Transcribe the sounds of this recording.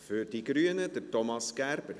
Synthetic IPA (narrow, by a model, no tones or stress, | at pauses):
fyɾdiɡɾyənədətɔmɑskæɾbəɾ